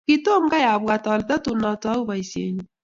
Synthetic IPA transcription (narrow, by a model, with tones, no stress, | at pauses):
ki˦to˦m˦ɡa˦ja˨βwa˨tɔ˨lta˦tu˨na˨ta˦u˦βa˨i˨sḛ˨ɲu˦